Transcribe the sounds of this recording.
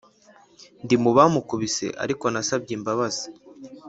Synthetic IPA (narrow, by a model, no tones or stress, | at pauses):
ndimuβamukuβise̞̰ʔa̰ɾiko̞nasab̚ɟimbaβazi̥